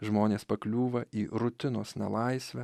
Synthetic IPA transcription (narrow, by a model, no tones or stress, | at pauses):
ʒmoːnʲeːspɐklʲuːʋɐʔiːɾʊt̪ʲɪnoːsnʲɛ̰lˠɐɪsʲʋʲɛ